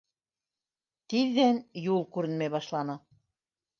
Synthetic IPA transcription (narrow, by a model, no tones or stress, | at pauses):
t̪iðːænjulˠkuɾɘ̆nmeβɑʃlˠɑnɤ̆